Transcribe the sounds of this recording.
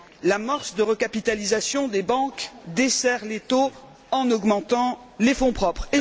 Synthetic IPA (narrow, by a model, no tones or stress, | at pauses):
lamaʁsd̪əʁəkapit̪alizasjɔ̃d̪ebɑ̃kd̪esɛʁlet̪o | ɑ̃nɔɡmɑ̃t̪ɑ̃lefɔ̃pχɔpχe